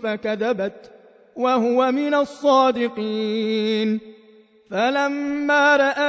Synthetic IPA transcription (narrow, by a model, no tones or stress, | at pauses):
fakaðabat̪ | wahʊwamɪnasˤːɑːd̪ɪqiːn | falamːaːɾˤɑʔa